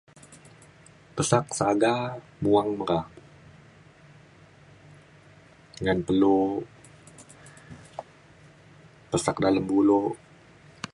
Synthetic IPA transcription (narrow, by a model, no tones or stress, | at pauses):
pəsak̚saɡa | muaŋməɾa | ŋanpəlu | pəsak̚daləmbulo